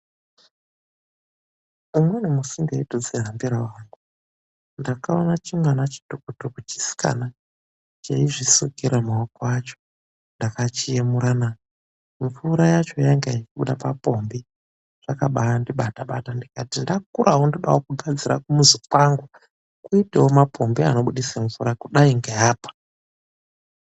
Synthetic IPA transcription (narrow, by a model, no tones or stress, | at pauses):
umwe̞nemusindeitod͡zeɦambiɾawaŋɡu | ndakaonat͡ʃimwanat͡ʃi̥tukutokut͡ʃi̥si̥ka̰na | t͡ʃaiʐisukiɾamaokowat͡ʃo̥ | ndakat͡ʃijemuɾanao | ɱvuɾajat͡ʃo̞jaŋɡajikiɓuɗapapo̞mbi | ʐ̥akaɓaandiɓataɓa̰tandikatindakuɾʔaɦondoɗawokuɡʱad͡ziɾakumuzukwaŋɡu | kuitewomapo̞mbiano̞ɓuɗisaɱvuɾakuɗaiŋɡejaːpḁ